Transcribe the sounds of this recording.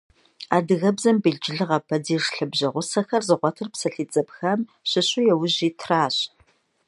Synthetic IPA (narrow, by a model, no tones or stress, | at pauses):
aːdɨɣɐbzɐmbɨɮd͡ʒɪɮɨʁɐpʰɐdiːʐɬɨbʑɐʁʷʊsɐxɐrzɨʁʷɔtʰɨrpsɐɬiːt͡sʼɐpxɐm | ɕɪɕʼʊjɛwʊʑiːtʰraːɕ